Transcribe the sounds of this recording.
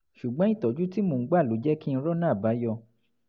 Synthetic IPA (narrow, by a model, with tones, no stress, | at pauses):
ʃu˨ɡ͡bɔ̃˨˦i˦˨tɔ˨˦d͡ʒu˦ti˦mõ˨˦ɡ͡ba˦˨lo˨˦d͡ʒɛ˦kĩ˦˧ɾɔ˦nãː˦˨ba˨˦jɔ˧